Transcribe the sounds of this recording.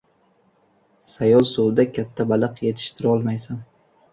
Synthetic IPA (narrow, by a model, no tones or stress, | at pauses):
sajɒlˠsowd̪akʲʰat̪ʰːabalˠɨqjet̪ʰɪ̥ʃt̪ʰɪɾɪɒlˠmajsan